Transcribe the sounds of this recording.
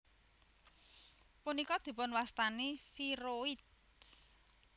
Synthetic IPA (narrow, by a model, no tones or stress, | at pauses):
punikɔd̪̥i̤pʊnwast̪anifiɾoit̪̚